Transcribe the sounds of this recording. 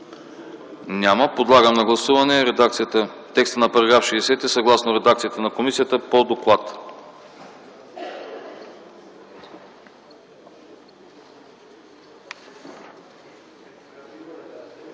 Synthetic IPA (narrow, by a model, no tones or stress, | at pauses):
nʲaməpod̪lˠaɡəmnɐɡlˠɐsuvɐnɛɾɛd̪akt̪siət̪ət̪ɛkst̪ənɐpɐɾɐɡɾafʃɛɛsɛt̪isɐɡlˠasnoɾɛd̪ak̚t̪sijət̪ənɐkomisijət̪əpod̪oklˠat̪